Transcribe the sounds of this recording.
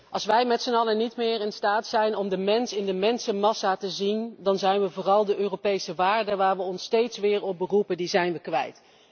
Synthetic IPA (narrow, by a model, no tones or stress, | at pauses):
ʔɑlˠsʋɛjmɛtsənɑlənitmɪːɹɪnstaːtsɛjnɔmdəmɛnsɪndəmɛnsəmɑsaːtəzindɑnzɛjnʋəvʊːrɑlˠdəʔøːropejsəʋaːɹdəʋaːɹʋəɔnstejtsʋɪːɹɔp̚bərupəndizɛjnʋəkʋɛ̰jt